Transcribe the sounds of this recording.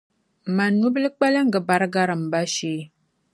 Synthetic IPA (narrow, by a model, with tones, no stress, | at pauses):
ma˨nu˦bə˦lə˦k͡pa˦la˦ŋ̩˦ɡə˨ba˨ɾɡa˦ɾə˨m̩˨ba˦ʃe˦